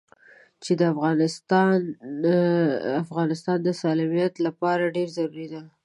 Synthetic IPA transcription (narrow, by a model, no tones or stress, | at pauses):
t͡ʃed̪əafɣɑnɪst̪ɑn | afɣɑnɪst̪ɑnd̪əsɑlɑmijat̪lapɑɾaɖeɾzaɾuɾid̪a